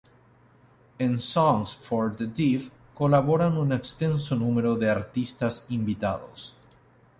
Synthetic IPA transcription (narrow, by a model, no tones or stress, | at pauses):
ensɔŋsfoɾd̪ed̪if | kolaβo̞ɾanunekst̪e̞nsonume̞ɾoðe̞aɾt̪ist̪asimbit̪a̰ðo̰s